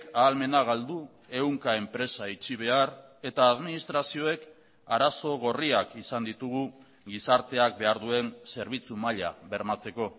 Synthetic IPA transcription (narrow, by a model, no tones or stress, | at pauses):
kaːlme̞naɣ̞ald̪u | e̞wŋkae̞mpɾe̞sait͡ʃiβ̞e̞aɾ | e̞t̪aːðminist̪ɾasio̞e̞k | aɾaso̞ɣ̞o̞riakisand̪it̪uɣ̞u | ɡisaɾt̪e̞ak̚be̞aɾðue̞nse̞ɾβ̞it͡sumaʎa̰βe̞ɾmat͡se̞ko̞